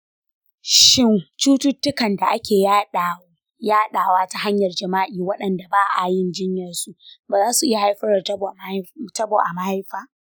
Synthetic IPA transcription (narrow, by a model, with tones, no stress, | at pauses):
ʃɪ˦˨ŋt͡ʃuː˦tʊ˦tːʊ˦kɐ˨nda˨ʔa˦kʲeː˨jaː˦ɗa˨˦ | jaː˦ɗaː˨waː˦ta˦ɦa˦ɲjɐ˨rd͡ʒɐ˨maː˦ʔiː˨wɐ˦ɗɐ˨nda˨baː˦ʔa˨jɪ˦˨nd͡ʒɪ˦ɲjɐ˨rsu˦˨ʔbaː˨zaː˦su˨ʔɪ˦ja˨ha˦jɸɐ˦ɾɐ˨˦btɐ˦boː˨ʔa˨ma˦ha˦jɸaː˦